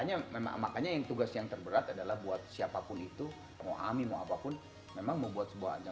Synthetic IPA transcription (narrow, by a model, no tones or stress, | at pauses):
aɲamema̰makaɲajaŋt̪uɡasjaŋt̪ərbəɾat̪adalahbuat̪̚siapapʊnit̪u | ŋo̰ʔa̰mimoa̰papʊn | memaŋməmbuat̪̚səbuaha̰d͡ʒa